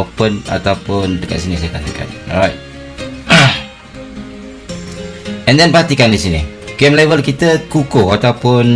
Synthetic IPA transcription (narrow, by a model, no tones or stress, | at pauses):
pəna̰t̪awpʊndəka̰ʔsinisajəkat̪əka̰nɹajt̚ | ɛ̃ndɛnpat̪ikandisini | ɡɛmlɛvəlkit̪əkukoat̪awpʊn